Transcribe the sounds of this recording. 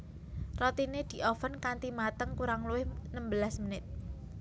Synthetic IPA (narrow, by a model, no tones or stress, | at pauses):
rɔt̪ined̪̥i̤ʔɔfənkant̪imat̪əŋkuɾaŋluwɪhnəmbəlasmənɪt̪̚